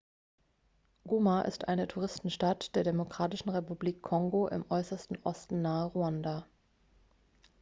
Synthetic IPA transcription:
ɡ̥umaʔɪ̰stʔa̰ɪnətʰuʁ̞ɪstn̩ʃtatd̥eːɐdemokʁ̥aːtɪʃn̩ʁepubliːkʰːɔŋɡoʔɪ̰mʔɔʏsɐstn̩ʔɔstn̩nːaːəʁuanda

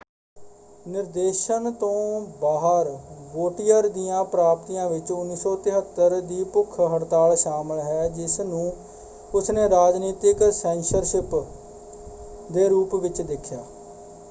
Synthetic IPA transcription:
nɪɾd̪eːʃənt̪õːbaːɦəɾʋoːʈijəɾd̪ijãːpɾaːp̚t̪ijãːʋɪt͡ʃʊnːiːsɔːt̪ɪɦət̪ːəɾd̪iːpʊkʰːɦəɽt̪aːlʃaːməlɦɛːd͡ʒɪsnũː | ʊsneːɾaːd͡ʒniːt̪ɪksɛ̃ːnsəɾʃɪp | d̪eːɾuːpʋɪt͡ʃd̪ɪkʰːjaː

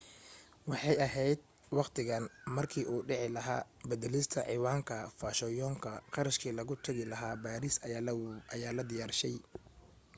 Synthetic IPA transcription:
wɑħɑjɐɦɛjd̪̚ | wɑqt̪ʰɪɣɐnmɐrkʰiːʔuːɖɪʕɪlɐɦa̰ːbɐd̪ɛlɪst̪ʰɐʕɪːwaːŋkʰɐfaːʃɔjɔːŋkʰɐqɑɾɐʃkʰiːlɐɣʊt̪ʰɐɣɪlɐɦaːbaːɾɪs | ɐjaːlɐd̪ɪjaːrʃɛj

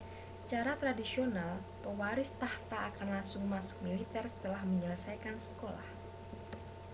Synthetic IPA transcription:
sə̥t͡ʃaɾat̪ɾadisional | pəwaɾɪst̪aht̪aːkanlasʊŋmasʊ̥k̚milit̪ɛrsə̥t̪əlahməɲələsajkansə̥kola̰h

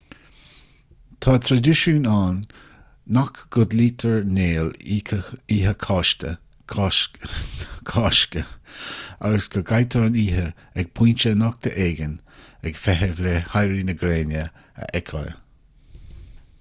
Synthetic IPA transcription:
t̪ʰɑːt̪ʰɾaduʃuːnaːnː | akɡ̥ʊd̪liːt̪ʰəɹneːl | iːɦəkʰɑʃtə̰ | kʰɑːʃkə | aɡəsɡ̥ʰəɡajt̪ʰəɹniːɦə | ɛɡ̥̚pʰuːnt͡ʃənɔk̚t̪ʰəʔeːɡən | ɛɡ̥fɛɦəvlehajɾiːnəɡɾeːnjə | ə̰ʔɛkʰɔ̰j

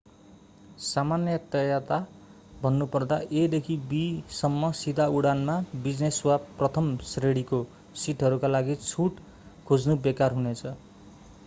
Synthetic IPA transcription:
samanjʌt̪ʌjat̪a | bʱʌnːupʌrd̪aʔed̪ekʰibisʌmːʌsid̪ʱauɽanmabid͡zneswaprʌt̪ʰʌmsreɽiko | siʈʰɦʌɾukalaɡit͡sʰuʈ | kʰod͡znubekarɦunet͡sʰʌ

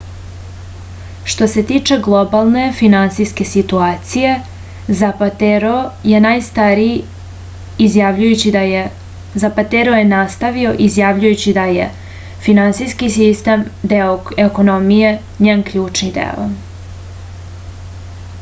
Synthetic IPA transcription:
ʃt̪o̞se̞t̪it͡ʃe̞ɡlˠo̞balˠne̞finansiske̞sit̪uaːt̪sije̞ | zaɾoje̞najst̪aɾi | zjaʋʎujut͡ɕi | zapat̪eɾoje̞nast̪aʋio̞ʔizjaʋʎujut͡ɕid̪aje | finansijskisist̪emd̪eoeko̞nomije̞ | ɲeːnkʎuːt͡ʂnid̪ḛo̰

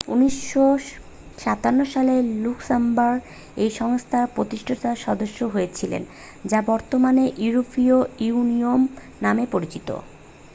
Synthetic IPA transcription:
ṵniʃo | ʃat̪anːoʃaleluksambaɾ | ejʃɔŋst̪ʰaɾpɾot̪iʃʈʰot̪aʃɔd̪oʃːoɦojet͡ɕʰilḛn | d͡ʑabɔɾt̪omaneʔiuɾofioiuniom | namepoɾit͡ɕit̪o̰

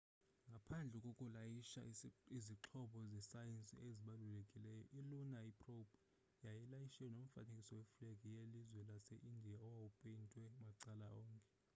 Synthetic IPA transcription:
ŋɡʱapʰand͡ɮʱɛkʼokʼulajiʃa̰iziǁʰɔɓɔzɛsajensʼḭeziɓalulekʼilɛjɔ̰ʔilunaipʼrobɔ | jajilajiʃɛɔnom̩fa̰nekʼisɔwɛfleɡʱijelizwɛlasɛʔindʱijaɔwawupʼentʼwɛmaǀala̰ɔːŋkʼɛ

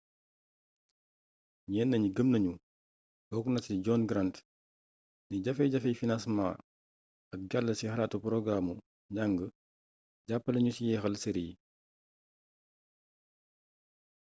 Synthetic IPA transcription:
ɲɛːnːɐɲiɡəmnɐɲu | bɔːkunɐtiɟɔːnɡɾant | niɟɐfɛjɟɐfɛjfinasma̰ː | ɐk̚ɡalːəsixɐlaːtupɾɔɡɾamu | ɲaŋɡə | ɟapːɐlɐɲusijɛxɐlseɾiji

